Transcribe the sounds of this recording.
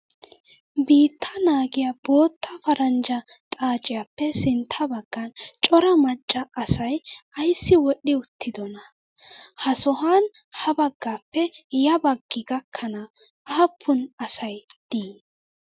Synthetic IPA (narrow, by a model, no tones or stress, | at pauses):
biːt̪ʰːɐnaːɡɪjɐbo̞ːt̪ʰːɐfɐɾɐnd͡ʒɐt̪ʼaːt͡ʃʼɪjapːɛsɪnt̪ʰːɐbɐɡ̥ːɐnt͡ʃʼɔɾɐmɐt͡ʃʼːɐʔɐsɐjɐjsːɪwɔɗːɪʊt̪ːɪd̪ɔnɐ | hɐsɔɦanhɐbɐɡːaːpːɛjɐbɐɡːɪɡɐkʰːɐnɐ | ɐhɐpʰːʊnɐsɐjd̪̥iː